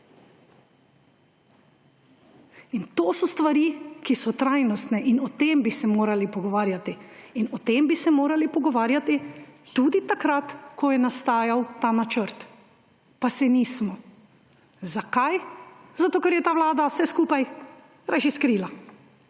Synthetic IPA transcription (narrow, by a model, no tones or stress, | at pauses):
int̪oːsɔst̪ʋaɾikisɔt̪ɾajnɔst̪nɛʔinɔt̪embisɛmoːɾalipɔɡɔʋaːɾjat̪iːnɔt̪embisɛmoːɾalipɔɡɔʋaːɾjat̪it̪ud̪it̪akɾat̪kɔjɛnast̪aːjawt̪aːnat͡ʃəɾt̪ | pasɛniːsmɔ | zakajzat̪oːkɛɾjɛt̪aːʋlaːd̪awsɛskuːpaj | ɾaʃiskɾiːla